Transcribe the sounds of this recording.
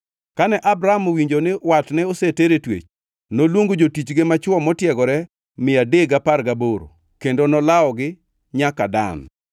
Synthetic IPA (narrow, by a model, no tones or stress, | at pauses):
kanɛʔabɾaamowiɲd͡ʒonɪwatnɛoseteɾetwḛt͡ʃ | nolwoŋɡod͡ʒotit͡ʃɡemat͡ʃwɔmɔtjɛɡɔɾɛ | mɪadeɡapaɾɡaboɾo̰ | kendonɔlaɔɡɪ | ɲakada̰n